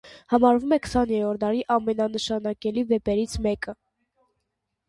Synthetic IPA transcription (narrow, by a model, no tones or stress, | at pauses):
hɑmɑɾvumɛkə̥sɑnjɛɾɔɾd̪ɑɾiʔɑmɛnɑnəʃɑnɑkɛlivɛpɛɾit͡sʰmɛkə